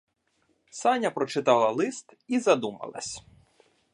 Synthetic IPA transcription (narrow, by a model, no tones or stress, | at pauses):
sɑnʲɐpɾɔt͡ʃɪt̪ɑlˠɐlˠɪst̪izɐd̪umɐ̰lˠɐ̰sʲ